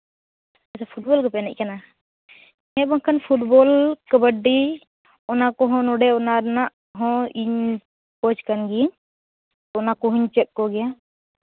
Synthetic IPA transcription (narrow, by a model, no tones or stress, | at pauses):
asapʰuʈ̚bɔlkɔpɛnɛc̚kana | ɲɛbɔŋkʰanpʰuʈbɔlkəbəɖi | ɔnakɔɦɔ̃nɔɖɛɔnaɾnaʔ | ɦɔ̃iɲ | pɔt͡ʃkanɡi | ɔɔnakɔɦuɲt͡ʃɛt̪̚kɔɡɛja